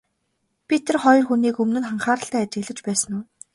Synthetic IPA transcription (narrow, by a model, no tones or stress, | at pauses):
pʲit̪ʰĕrχɔj̆rxuniːkɵmnɘ̆nχaɴχaːɾə̆ɬt̪æːæt͡ɕɡɘ̆ɮɘ̆t͡ɕpæːsə̆nʊ